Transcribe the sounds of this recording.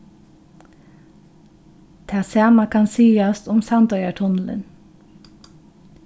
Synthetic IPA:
t̪ʰæːsɑːmakʰɑnsiːast̪ʊmsɑnd̪œʏɑʈ̪ʰʊnl̩ə̰n

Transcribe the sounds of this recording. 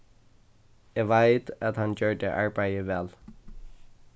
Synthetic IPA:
ɛːʋæɪt̪ɑt̪hɑnçøːɖḛʔɑɹbæɪəʋɛl

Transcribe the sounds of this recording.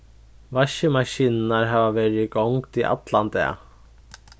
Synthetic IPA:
ʋaʃəmaɕiːnnaɹɦaːʋaʋɛːɾɪɡɔwŋkt̪iʔa̰t̪land̪ɛ̰ː

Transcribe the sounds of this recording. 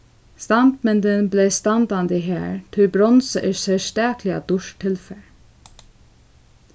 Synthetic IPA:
st̪ɑnd̪mɛnd̪ənbleːst̪ɑnd̪ɑnd̪iɦæ̰ːɹt̪ʰɪlbɾɔnsəʔesɛst̪æːkʰlɪɑ̰d̪ʊʃʈʰɪlfɛɹ

